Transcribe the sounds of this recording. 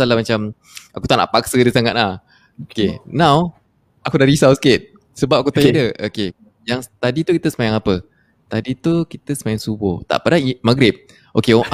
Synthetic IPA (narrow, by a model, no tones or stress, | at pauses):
alahmat͡ʃam | akut̪aʔna̰ʔpak̚sədəsaŋat̪̚lah | kenãw | akudaɾisawsket̪̚ | səbap̚akut̪aidəʔoke | jaŋt̪adit̪ukit̪əsəmajaŋapə | t̪adit̪ukit̪əsəmajaŋsubʊ̰ht̪a̰ʔpadaimaɡɾɪp̚ | ʔoke